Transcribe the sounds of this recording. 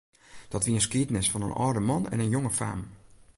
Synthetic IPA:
d̥ɔtʋiəənskiətnɪsfɔnə̰nʔɔ̰ːdəmɔnɛ̰nənjoŋəfa̰ːm

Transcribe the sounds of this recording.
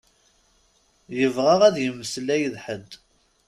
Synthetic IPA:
jəvʁæʁæðjəmːəslæjəðħəd̪

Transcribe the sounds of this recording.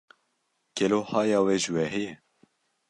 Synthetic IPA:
kʰɛlohɑːjɑːweːʒɨwɛɦɛjɛ

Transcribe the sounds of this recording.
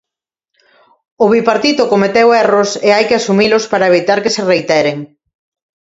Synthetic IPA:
ʊβipaɾt̪it̪ʊkomet̪ewɛroseajkɪasumilʊspaɾɐeβ̞it̪aɾkɪsɪrejt̪ɛɾeŋ

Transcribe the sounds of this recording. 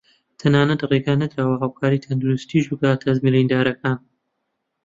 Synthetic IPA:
t̪ʰɐnaːnɐt̪reːɡaːnɐd̪ɾaːwɐɦaːwkʰaːɾiːt̪ʰɐnd̪uɾust̪iːʒbɨɡaːt̪ʰɐzmiɾiːnd̪aːɾɐkaːn

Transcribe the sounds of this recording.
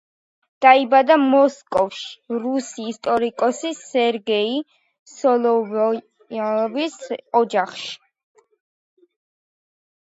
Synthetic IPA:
d̪̥aibad̪amɔskʼɔfʃi̥ɾusiːst̪ʼɔɾikʼɔsisɛɾɡɛi | sɔlˠɔ | visɔd͡ʒaχʃi̥

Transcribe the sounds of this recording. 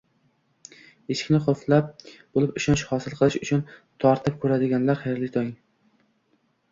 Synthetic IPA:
eʃɪ̥kʲnɪχoflap̚b̥olɪpɪʃɒnʃhɒsɪlˠqʰɨlˠɪʃʊt͡ʃʰʊnt̪ʰɒɾt̪ʰɪp̚kʰɵɾad̪ɪɡʲanlaɾχajɾlɪt̪ʰɒjɪŋ

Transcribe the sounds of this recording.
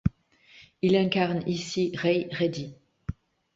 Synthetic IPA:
ilɛ̃kaʁnisiʁɛjʁed̪i

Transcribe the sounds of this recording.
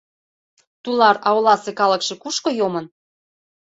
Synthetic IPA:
t̪ulɑɾɑolɑsekɑləkʃekuʃkojomən

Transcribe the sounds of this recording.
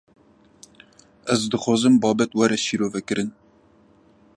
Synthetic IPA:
ɛzd̪ɨxʷɑːzɨmbɑːbɛt̪wɛɾɛʃiːɾoːvɛkɨɾɨn

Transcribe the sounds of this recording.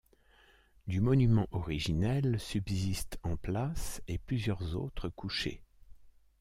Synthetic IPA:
d̪ymɔnymɑ̃ʔɔʁiʒinɛlsybzist̪ʰɑ̃plaseplyzjœʁzo̰t̪χəkuʃḛ

